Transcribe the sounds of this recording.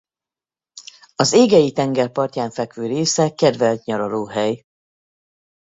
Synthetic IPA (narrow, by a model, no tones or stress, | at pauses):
ɒzeːɡɛjit̪ɛŋɡɛrpɒrc̪ʲjaːɱfɛkʋøːɾeːsɛkɛd̪vɛlt̪ɲɒɾoɾoːɦɛj